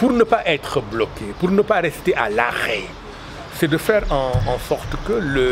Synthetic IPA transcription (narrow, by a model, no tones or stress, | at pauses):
puʁnəpaʔɛt̪χəblɔkepuʁnəpaʁɛst̪eʔalaʁɛ | sɛd̪əfɛːʁɑ̃ɑ̃sɔʁt̪kələ